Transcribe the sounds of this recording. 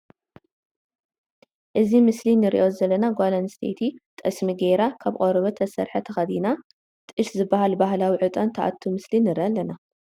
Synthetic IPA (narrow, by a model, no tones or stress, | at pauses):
ʔɨzimɨslinɨɾḭʔozɐlːɐnaɡʷalanst̪ʰḛt̪ʰit̪ʼɐsmiɡeɾakʰaβkʼoɾɐβɐt̪ʰɐsɐ̰ɾħɐt̪ʰɐxɐd̪ina | t̪ʼɨʃzɨbːaɦalbaɦlawiʕɨt̪ʼɐnt̪ʰɐʔa̰t̪ʰːumɨslinɨɾiʔalːɐna